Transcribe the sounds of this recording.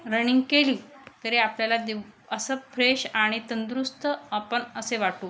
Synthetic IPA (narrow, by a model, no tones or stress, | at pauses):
ɾəɽ̃iŋɡkeliːt̪əɾeapljalad̪ew | əsəfʰɾeɕaɽ̃it̪ənd̪ɾust̪əəpəɳəseʋaʈuː